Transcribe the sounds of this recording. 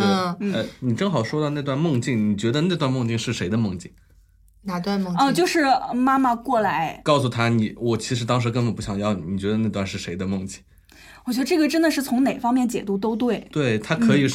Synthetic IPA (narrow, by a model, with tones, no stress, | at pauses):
n̩˥˩ə˥˧ɪni˨˩ʈ͡ʂɤ˥ŋxɑ˨˩ʊʂwɔ˥d̪ɑ˧na˥˧ɪt̪wa˥˧nmɤ˥˧ŋt͡ɕi˥˩ŋni˨˩t͡ɕɥɛ˧˥d̪ə˧na˥˧t̪wa˥˧nmɤ˥˧ŋt͡ɕi˥˩ŋʂɻ̩˥˩ʂe˧˥ɪd̪ə˧mɤ˥˧ŋt͡ɕi˥˩ŋ | na˧˥t̪wa˥˧m˥˧ŋə˥˧˥t͡ɕjo˥˧ʊʂɻ̩˥˩˧ma˥mə˨kwɔ˥˩la˧˥ɪkɑ˥˩ʊsu˨˩t̪ʰa˥ni˨˧˩wɔ˨˩t͡ɕʰi˧˥ʂɻ̩˧˥t̪ɑ˥ŋʂ̬ɻ̩˧˥k̬ə˥npə˨˩pu˧˥ɕjɑ˨˩ŋjɑ˥˩ʊ˨˩ni˨˩t͡ɕɥɛ˧˥d̪ə˧na˥˧ɪt̪wa˥˧nʂɻ̩˥˩ʂe˧˥ɪd̪ə˧mɤ˥˧ŋt͡ɕi˥˩ŋ | wɔ˨˩t͡ɕɥɛ˧˥d̪ə˧ʈ͡ʂɤ˥˩ɡə˩ʈ͡ʂə˥nd̪ə˨ʂɻ̩˥˩t͡sʰʊ˧˥ŋne˨˩ɪfɑ˥ŋmjɛ˥˩nt͡ɕjɛ̰˨˩t̪u˧˥t̪o˥ʊt̪we˥˩ɪt̪we˥˩ɪt̪ʰa˥kʰɤ˧˥i˨˩ʂ